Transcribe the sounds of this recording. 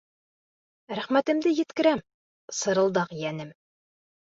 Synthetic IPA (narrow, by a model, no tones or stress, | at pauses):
ɾæχmæt̪ɘ̆md̪ɘjɘ̆t̪kɘ̆ɾæm | sɤ̆ɾɤ̆lˠd̪ɑqjænɘm